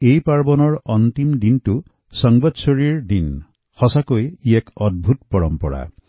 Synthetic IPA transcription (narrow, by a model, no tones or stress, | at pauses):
ejpaɾbɔnɔɾɔnt̪imd̪inʈu | sɔŋbɔd̪sɔɾiɾd̪in | hɔsakojiekɔd̪̚bʱut̪pɔɾɔmpɔ̰ɽa̰